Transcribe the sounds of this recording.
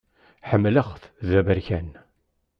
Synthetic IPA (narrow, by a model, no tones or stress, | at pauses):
ħəmːləʁθðævəɾçæn